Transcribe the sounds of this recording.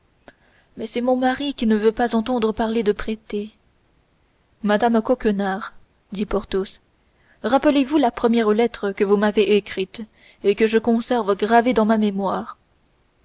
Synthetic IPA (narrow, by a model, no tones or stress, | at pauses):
mɛsɛmɔ̃maʁikʲinəvøpazɑ̃t̪̬ɑ̃d̪ʁəpaʁled̪əpχet̪e | mad̪amkɔkənaʁ | d̪ipɔʁt̪os | ʁapəlevulapχəmjɛʁlɛt̪χəkəvumaveʔekχit̪ | ekəʒəkɔ̃sɛʁvəɡʁaved̪ɑ̃mamemwaːʁ